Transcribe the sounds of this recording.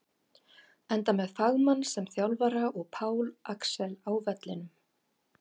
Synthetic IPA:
ɛnt̪amɛðfaɣmanːsɛmθjawlvaɾaʔɔɣpʰaːwlʔaksɛlaːwvɛt̪lɪnʏm

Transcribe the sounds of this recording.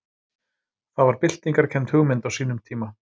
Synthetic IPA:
θaðvaɾpɪl̥t̪niŋkaɾ̥cʰɛmt̪hʏɣmɪnt̪awsiːnʏmt̪ʰiːma

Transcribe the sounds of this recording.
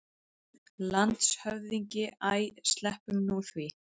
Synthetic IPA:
lant̪shœvðiɲcɪaːjst̪lɛhpʏmnuθvi

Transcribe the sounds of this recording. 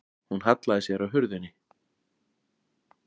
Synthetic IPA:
hunɦat̪laðɪsjɛɾawɦʏɾðʏnːɪ

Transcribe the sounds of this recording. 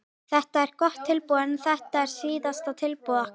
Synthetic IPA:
θɛht̪aɛɾkɔht̪ʰːɪlpuːɛnθɛht̪aɛɾ̥siːðast̪at̪ʰɪlpua

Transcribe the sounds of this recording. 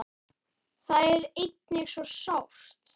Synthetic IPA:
θaðɛɾejt̪̚nɪɣsvɔsawr̥t̪

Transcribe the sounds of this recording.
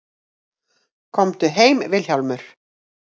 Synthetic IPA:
kʰɔmt̪ʏɦeːjmvɪlçawlmʏɾ̥

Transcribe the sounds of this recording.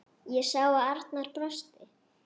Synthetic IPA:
jɛsaːwaaɾ̥t̪naɾ̥kɾœst̪ɪ

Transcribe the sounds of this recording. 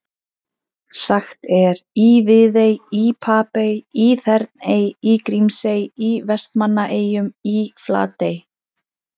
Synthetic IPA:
saxt̪ɛɾivɪðejipʰaːpejiθɛɾt̪neːjikɾimsejivɛst̪manːaʔeːjʏmifla̰ːt̪ej

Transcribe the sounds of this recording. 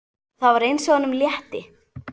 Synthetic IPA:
θawvaɾejnsɔɣanʏmljɛht̪ɪ

